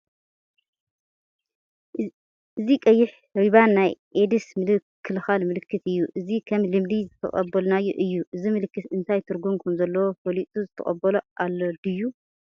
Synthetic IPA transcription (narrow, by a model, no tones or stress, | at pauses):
ʔɨzikʼɐjːɪħ | ɾiβanːajʔed̪ɨsmɨlɨkʰːɨlxalmɨlɨkʰːɨt̪ɨjːuʔɨzikʰɐmlɨmd̪izɨt̪ʰɐ̰χʼɐ̰bːɐlnajo̰ʔɨjːuʔɨzimɨlɨkːɨt̪ɨnt̪ʰajt̪ʰɨɾɡumkʰɐmzɐlːɐwopʰolit̪ʼuzɨt̪ʰɐ̰χʼɐ̰bːɐloʔalːod̪ɨjːu